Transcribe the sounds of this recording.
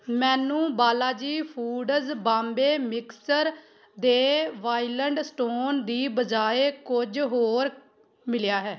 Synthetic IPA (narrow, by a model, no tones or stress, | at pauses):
mɛ̃ːnũːbaːlaːd͡ʒiːpʰuːɖəzbãːmbeːmɪksəɾ | d̪eːʋaːiləɳɖsʈoːnd̪iːbəd͡ʒaːeːkʊd͡ʒɦoːɾ | mɪljaːɦɛː